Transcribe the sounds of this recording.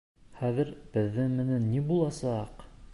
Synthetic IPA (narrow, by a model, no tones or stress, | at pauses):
χæðɘɾb̥ɘ̆ðːɘŋmɘ̆nænːibulˠɑsɑq